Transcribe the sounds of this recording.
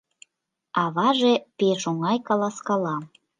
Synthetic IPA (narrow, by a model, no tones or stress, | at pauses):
ɑβɑʒepeʃoŋɑjkɑlɑskɑlɑm